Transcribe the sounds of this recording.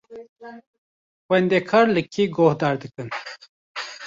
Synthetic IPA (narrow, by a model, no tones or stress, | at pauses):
wɐnd̪ekʰaːɾləkʰiɡohd̪aːɾd̪əkən